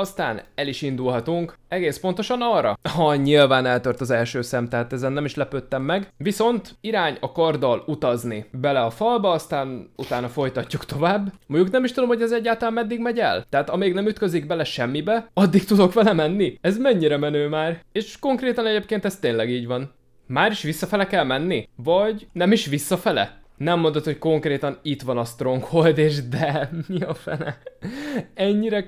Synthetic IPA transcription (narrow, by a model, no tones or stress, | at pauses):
ɒst̪a̰ːnɛliʃind̪ulɦɒt̪uŋkɛɡeːspo̞nt̪o̞ʃɒnɒrːɒ̰hɒɲilvaːnɛlt̪ørt̪ɒzɛlʃøːsɛmt̪ɛɦaːt̪ɛzɛnːɛmiʃlɛpøːt̪ːɛmːɛɡʋiso̞nt̪iɾaːɲɒkɒrd̪ɒlut̪ɒznibɛlɛɒfɒlbɒɒst̪aːnut̪aːnɒfo̞jt̪ɒcːukt̪o̞vaːbːmoɲɟuknɛmiʃt̪ud̪o̞mho̞ɟɛzɛɟːaːlt̪ɒlaːmːɛd̪ːiɡmɛɟɛ̰lt̪ɛɦat̪ɒmeːɡnɛmyt̪kø̞ziɡbɛlɛʃɛmːibɛɒd̪ːik̚t̪ud̪o̞kʋɛlɛmɛnːiɛzmɛɲːiɾɛmɛnøːmaːreːʃko̞ŋkreːt̪ɒnɛɟeːp̚keːnt̪ɛst̪eːnlɛɡiːɟʋɒn | maːɾiʃʋisːɒfɛlɛkɛlmɛnːivɒɟnɛmiʃʋisːɒfɛlɛ̰nɛmːo̞nd̪o̞t̪ho̞cko̞ŋkreːt̪ɒnit̪ʋɒnɒst̪ro̞ŋkho̞ld̪eːʃd̪ɛmiɒfɛ̰nɛ̰ | ɛɲːiɾɛ